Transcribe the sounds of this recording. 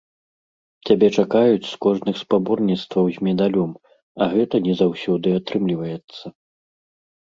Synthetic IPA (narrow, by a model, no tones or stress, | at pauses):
t͡sʲabʲɛt͡ʂakajut͡sʲskɔʐnɨxspabɔrnʲit̪st̪vɐwzʲmʲɛd̪alʲɔm | ɐɣɛt̪ɐnʲɛzawsʲɔd̪ɨat̪ɾɨmlʲivɐjɛt̪sːɐ